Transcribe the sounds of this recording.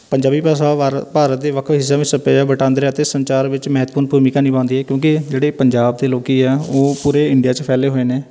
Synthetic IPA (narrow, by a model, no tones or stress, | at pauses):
pəɲd͡ʒaːbiːpasapaːɾət̪̚d̪eːʋəkʰɦɪs̬ːaːʋɪt͡ʃsəpeːd͡ʒabəʈãːnd̪ɾeːət̪eːsəɲt͡ʃaːɾʋɪt͡ʃmɛɦt̪puːɾnbʱuːmikãːnĩːbãːnd̪iːɦɛːkjõːkɪd͡ʒeːɽeːpəɲd͡ʒaːbd̪eːloːkiːɛːoːpuːɾeːɪɳɖijaːt͡ʃpʰɛːleːɦoːeːneː